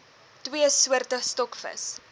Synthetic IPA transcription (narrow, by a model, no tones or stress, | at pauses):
twiəsuərtəstɔkfə̰s